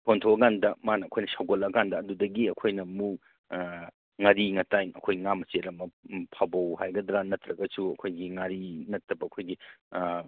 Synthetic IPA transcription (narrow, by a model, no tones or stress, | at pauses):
pʰontʰowɐɡandɐmanɐːkʰojnɐsawɡolɐɡandɐːdudɐɡiɐkʰojnɐmuk | ŋaɾiŋɐtajŋɐ̰kʰojiŋamɐt͡ʃeɾɐmɐpʰabɐwhajɡɐdɾanɐtɾɐɡɐsuɐkʰojɡiŋaɾinɐtːɐbɐːkʰojɡi